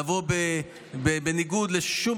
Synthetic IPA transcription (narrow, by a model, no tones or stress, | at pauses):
vo̞be | bebeniɡud̪leʃum